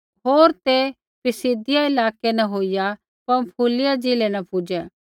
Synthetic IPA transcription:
ɦoːɾt̪e | pɪsid̪ɪjaɪlaːkenɐɦoːija | pɐ̃mpʰuːlɪjad͡ʒɪlenɐpʰuːd͡ʒɛ̃ː

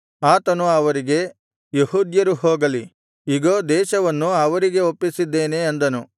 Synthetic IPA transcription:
aːt̪ɐnuɐʋɐɾiɡe̞ | jeɦuːd̪jɐɾuɦoːɡɐli | iɡoːd̪ɛːʃɐʋɐnːuɐʋɐɾiɡe̞opːisid̪ːe̞ːne̞ːnd̪ɐnu

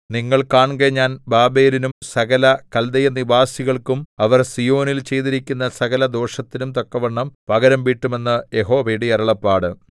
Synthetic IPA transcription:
niŋːɐɭkaːɳɡeɲaːnbaːbeːlinumsɐɣɐlɐkɐld̪ɐjɐnibaːsiɣɐɭkumɐʋɐrsijo̞ːnilt͡ɕe̞jt̪iɾikʲːunːɐsɐɣɐlɐd̪o̞ːʂɐt̪ːinumt̪okːɐʋɐɳːɐmpɐɣɐɾɐmʋiːʈːume̞nːɨjeɦo̞ːʋejɽiɐɾɐɭɐpːaːɽɨ

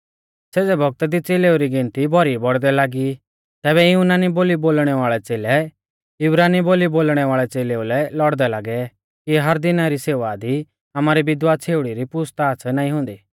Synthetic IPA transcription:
seːd͡zɛbʱɔɡ̚t̪ad̪it͡seːleːuɾiɡɪ̃nt̪ibʱɔɾibɔɽd̪ɛlaːɡi | t̪ɛːβɛjunaːniboːliboːlɽ̃ɛʋaːɭɛt͡seːlɛ | jʊbɾaːniboːliboːlɽ̃ɛʋaːɭɛt͡seːleːulɛlɔɽd̪ɛlaːɡɛ | kiɦɐɾd̪ɪnaɾiseːʋad̪i | amaːɾibɪd̪waːt͡sʰeːʊɽiɾipʊst̪aːt͡sʰɛnaːĩɦʊ̃nd̪iː

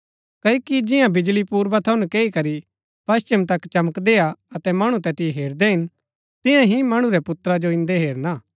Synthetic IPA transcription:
kɐikid͡ʒɪjãbɪd͡ʒlipuːɾbat̪ʰɐʊnkeːikɐɾi | pɐst͡ʃɪmt̪ɐkt͡ʃɐməkd̪eːaɐt̪ɛmɐɽ̃ũt̪ɛt̪ɪɦeːɾd̪ɛɦɪn | t̪ɪ̃jãɦimɐɽ̃uɾɛpʊt̪ɾad͡ʒoɪ̃nd̪eɦeːɾnaː

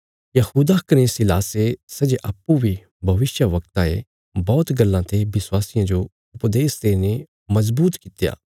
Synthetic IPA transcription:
jɐhuːd̪akɐnesɪlaːsesɐd͡ʒeʔɐpːubʱi | bʱɐʋɪʃjəʋɐkt̪ãḛ | bɔːt̪ɡɐlːãt̪ʰebɪswaːsɪjãd͡ʒo | ʊpd̪eːst̪eːne | mɐzbuːt̪kɪt̪ja̰ː

